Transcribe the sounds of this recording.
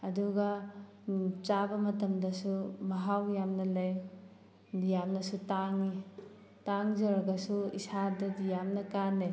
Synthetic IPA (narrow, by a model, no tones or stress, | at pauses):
ɐduɡɐ | t͡ʃabɐmɐtɐmdɐsumɐɦawjamnɐlɐj | dijamnɐsutaŋi | taŋzɐɾɐɡɐsuisadɐdijamnɐkanɐj